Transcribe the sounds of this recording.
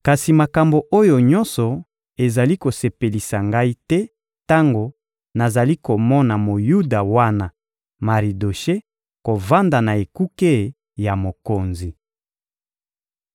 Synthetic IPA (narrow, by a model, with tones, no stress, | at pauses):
ka˨si˨ma˨ka˨mbo˨ʔo˦jo˨ɲɔ̃˦nsɔ˨ | e˨za˨li˦ko˨se˨pe˨li˨sa˨ŋɡa˦i˦tɛ˦ | ta˦ŋɡo˨ | na˨za˨li˦ko˨mɔ˦na˨mo˨ju˦da˨wa˦na˨ | ma˨ʁi˨do˨ʃe˦ | ko˨va˦nda˨na˨e˨ku˦ke˦˨ | ja˨mo˨ko˨nzi˨